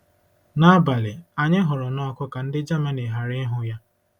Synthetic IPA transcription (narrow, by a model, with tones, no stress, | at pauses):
na˦ba˨lɪ˨a˨ɲɪ˦ɦʊ˨ɾʊ˨nɔ˦kʊ˦ka˨n̩˦dɪ˦d͡ʒa˦ma˦ne˨ɦa˨ɾɪ˦ɦʊ˦ja˦